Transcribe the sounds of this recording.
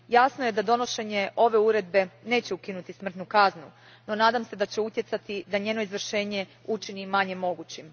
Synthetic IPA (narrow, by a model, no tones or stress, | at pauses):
jasnoje̞d̪ad̪o̞no̞ʃe̞ɲe̞ʔo̞ʋe̞uɾed̪be̞ne̞ːt͡ɕeukinut̪ismr̩t̪nukaznu | no̞naːd̪amse̞d̪at͡ɕeut̪jet̪sat̪id̪aɲe̞ːno̞izʋr̩ʃe̞ːɲe̞ut͡ʃinimaɲe̞mo̞ɡut͡ɕim